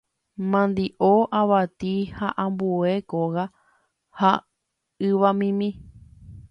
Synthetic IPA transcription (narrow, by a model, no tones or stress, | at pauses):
mãnd̪iʔoʔaʋat̪ihaʔãmbuekoɣa | ha | ɨʋamĩmĩ